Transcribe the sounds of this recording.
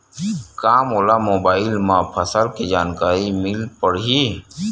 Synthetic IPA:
kaːmoːlamoːbaːɪlmãpʰəsəlkid͡ʒaːnkaːɾimɪlpəɽɦi

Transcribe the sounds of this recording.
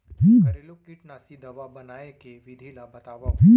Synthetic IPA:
ɦuɾelokiʈnasid̪ɐʋabɐnaːekeʋɪd̪ʱilabɐt̪aːʋaɦĩː

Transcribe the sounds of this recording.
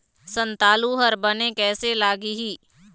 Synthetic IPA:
sə̃nt̪aːluɦəɾbənekɛːselaːɡiɦiː

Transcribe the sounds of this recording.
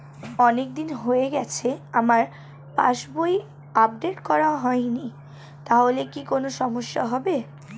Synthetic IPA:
ɔnek̚d̪inɦoeɡɛt͡ɕʰeamaɾ | pa̰ʃboj | ap̚ɖeʈkɔɾaɦɔeni | t̪aɦolekikonoʃɔmoʃːaɦɔbe

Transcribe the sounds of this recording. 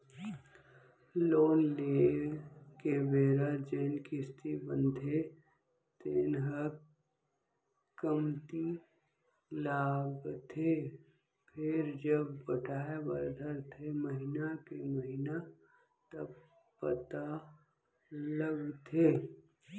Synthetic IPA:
loːnleː | kebeːɾəd͡ʒeːnkɪst̪ibə̃nd̪ʱe | t̪ɪnɦə | kəmt̪i | laːbt̪ʰe | pʰɪɾd͡ʒəbːəʈʰaːebəɾd̪ʱəɾt̪ʰeməɦɪnakeməɦɪna | t̪əb | pət̪a | ləɡt̪ʰeː

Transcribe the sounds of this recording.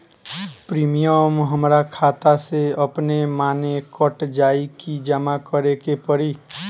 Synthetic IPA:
pɾiːmijəmɦəmɾakʰaːt̪aseəpnemaːnekəʈd͡ʒaːikid͡ʒəmakəɾekepəɾiː

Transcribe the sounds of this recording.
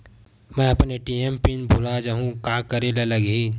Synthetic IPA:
mɛ̃ɐpneʈiempinbʱʊlad͡ʒaɦũkakəɾelelɐɡɦi

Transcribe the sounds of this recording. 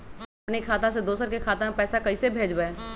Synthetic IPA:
ɐpnekʰaːt̪ãsed̪oːsəɾkekʰaːt̪ãmẽpɛːsakɐisebʱeːd͡ʒbaeː

